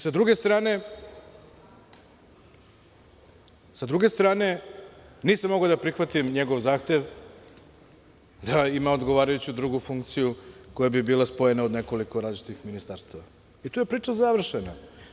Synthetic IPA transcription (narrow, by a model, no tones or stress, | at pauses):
sad̪ɾuɡe̞st̪ɾaːne̞ | sad̪ɾuɡe̞st̪ɾaːne̞ | niːsamoɡaod̪apɾixʋat̪imɲe̞ɡoʋzaːxt̪e̞ʋ | d̪aimao̞d̪ɡoʋaːɾajut͡ɕud̪ɾuɡufuŋkt̪sijuko̞jabibiːlˠaspo̞je̞nao̞d̪ne̞ko̞liko̞ɾaːzlit͡ʃit̪ixminist̪aɾst̪aʋa | it̪uːje̞pɾiːt͡ʃazaʋr̩ʃena